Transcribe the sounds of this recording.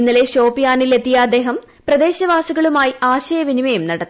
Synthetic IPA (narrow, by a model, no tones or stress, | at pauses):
inːɐle̞ɕoːpijaːnilet̪ːijaːd̪e̞ːɦɐm | prɐd̪e̞ːɕɐʋaːsuɣɐɭumaːjiaːɕɐjɐʋinimɐjumnɐɽɐt̪ː